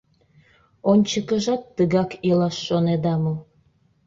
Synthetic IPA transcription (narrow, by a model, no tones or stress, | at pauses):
onʲt͡ɕəkə̆ʒɑt̪ːəɣɑkilɑʃːoned̪ɑmo